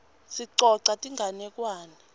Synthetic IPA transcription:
siǀɔǀatʼiŋɡʱanɛkwaːnia

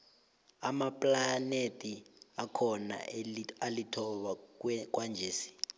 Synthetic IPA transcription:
amapʼlanetʼiakʰɔna̰alitʰɔɓak̬ʼwand͡ʒʱeːsi̥

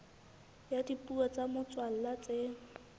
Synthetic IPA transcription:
jadipʼuɔt͡samʊt͡swal̩lat͡seːŋ̩

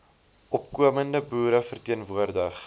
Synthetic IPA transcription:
ʔɔpkuəməndəbuːɾəfərtiənvuərdəχ

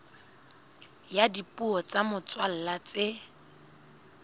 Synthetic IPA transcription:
jadipʼuɔt͡sʼamʊt͡swal̩lat͡sɪ

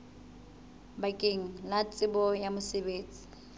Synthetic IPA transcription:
bakʼeŋ̩lat͡sʼɪbɔjamʊsebeːt͡sʼi̥

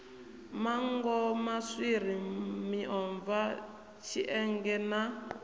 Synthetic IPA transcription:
maŋɡɔmaswiɾ̤imiʔɔɱva | t͡ʃʰiʔɛŋɡɛna

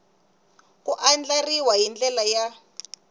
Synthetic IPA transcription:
kuʔand͡ɮariwaɦind͡ɮɛlaja

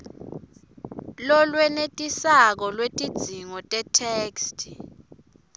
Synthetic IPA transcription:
lɔlwɛnetʼisak̬ɔlwetʼid̥z̥ʱiŋɔtʼɛtʰeːkstʰ

